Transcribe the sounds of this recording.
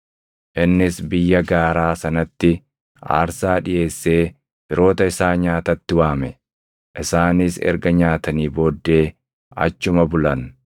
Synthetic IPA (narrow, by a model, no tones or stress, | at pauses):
ʔɪnːɪsbɪjːɐɡaːɾaːsɐnɐt̪ːɪ | a̰ːɾsaːᶑɪje̞ːsːeː | b̥ɪɾo̞ːt̪ɐɪsaːɲaːt̪ɐt̪ːɪwaːmɛ | ʔɪsaːnɪsɛ̰ɾɡɐɲaːt̪ɐniːbo̞ːd̪ːe̞ː | ɐ̰t͡ʃːʊmɐbʊlɐn